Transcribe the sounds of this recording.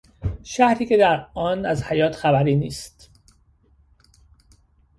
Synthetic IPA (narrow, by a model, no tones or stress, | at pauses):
ʃæhɾiːce̞d̪æɾɒːnæzhæjɒːt̪ʰxæbæɾiːniːst̪